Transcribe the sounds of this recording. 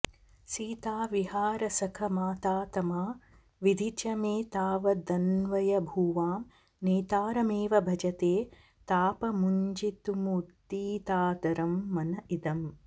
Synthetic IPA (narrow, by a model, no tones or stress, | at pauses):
siːt̪aːʋiɦaːɾɐsɐkʰɐmaːt̪aːt̪ɐmaː | ʋid̪ʱit͡ʃɐmeːt̪aːʋɐd̪ɐnʋɐjɐbʱuːʋaːm | neːt̪aːɾɐmeːʋɐbʱɐd͡ʒɐt̪eː | t̪aːpɐmuɲd͡ʒit̪umut̪ːiːt̪aːt̪ɐɾɐmːɐnɐʔid̪ɐm